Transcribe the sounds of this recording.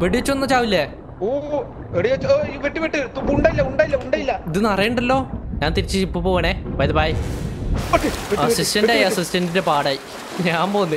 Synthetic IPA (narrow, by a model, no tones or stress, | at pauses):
ʋeɽiʋet͡ɕːuonːɐt͡ɕaːʋilːe | oː | eɽiɐt͡ɕːiʋeʈːiʋeʈːɨt̪upːuɳɖaːjilːɐuɳɖaːjilːɐuɳɖaːjilːɐiðɨnɐrɐjeɳɖɐlːo̞ːɲaːnt̪iɾit͡ɕːɨipːɨpoːɣɐɳeːbɐjðɐbɐj | ɐsistɐndaːjɐsistɐndinde̞paːɽaːji | ɲaːmpoːunːɨ